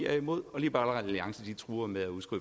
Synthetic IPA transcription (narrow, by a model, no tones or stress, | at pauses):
æɐimo̝ð̰ˠɒ̽liːb̥ɑ̈æləʁɛðˠæliɑ̈ŋsəd̥it͡sʰʁuːɐmeðˠæuðˠsɡ̥ʁy̰